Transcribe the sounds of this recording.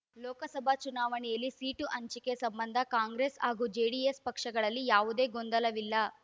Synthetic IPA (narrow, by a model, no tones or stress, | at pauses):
lɔːkɐsɐbʱaːt͡ʃunaːʋɐniɐlisiːʈuʔɐɲt͡ʃikesɐmbɐnd̪ʱɐkaːŋɡɾeːsaːɡud͡ʒeːɽiespɐkʂɐɡɐɭɐlːijaːʋud̪e̞ːɡond̪ɐlɐʋilːaː